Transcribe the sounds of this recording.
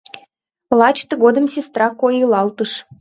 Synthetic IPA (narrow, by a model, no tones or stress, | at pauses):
lɑt͡ɕt̪əɣod̪ə̆msʲest̪ɾɑkːojəlɑlt̪əʃ